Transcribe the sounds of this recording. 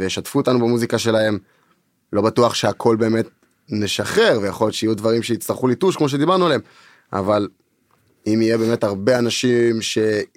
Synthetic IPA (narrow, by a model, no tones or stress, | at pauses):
vejeʃatfuot̪anubemuzikaʃe̞laɦe̞m | lo̞batuaχʃeakʰo̞lbe̞ːme̞t̪̚ | neʃaχe̞ʁvejaχo̞ljot͡ʃeijudvaʁimʃeit͡st̪aʁχulituʃkmo̞ʃ̬e̞d̪ibaʁnuale̞m | ʔa̰val | imijebe̞ːme̞taʁbe̞anaʃimʃe̞